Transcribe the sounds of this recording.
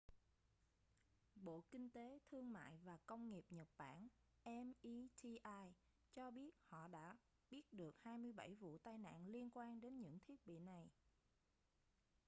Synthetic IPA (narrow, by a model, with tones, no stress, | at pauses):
ɓo̰˧˨kï˧ŋ̟t̪e˨˦t̪ʰɨ˧əŋma̰ː˧˨jvaː˨˩kə˧wŋ͡mŋi˨˩əp̚ɲə˨˩t̚ɓa̰ː˧˩n | ʔɛ˧mʔi˧t̪ʰi˧ʔaː˧j | t͡ɕɔ˧ɓi˦˥ət̚hɔ̰˧˨ɗa̰ː˧˥ | ɓi˦˥ət̚ɗɨ˨˩ək̚haː˧jmɨ˧əjɓa̰˧˥˩jvṵ˧˨t̪aː˧jna̰ː˧˨nli˧ənkwaː˧nɗe˨˦nɲɨ̰˧˥ŋt̪ʰi˦˥ət̚ɓḭ˧˨na˨˩j